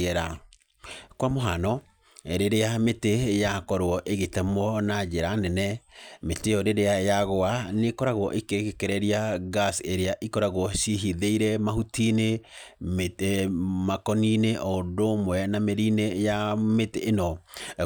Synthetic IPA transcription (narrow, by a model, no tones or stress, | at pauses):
ɛɾa | kwamoɦanɔ | eɾeɾeametejakɔɾwɔʔeɣetɛmɔnad͡ʒeɾanɛnɛmetejɔɾeɾeajaɣoanekɔɾaɣɔʔekeɣekɛɾɛɾiaɣaseɾeaʔikɔɾaɣwɔʃiɦiðeiɾɛmaɦutine | makɔnineʔɔdomwɛnameɾinejameteːnɔ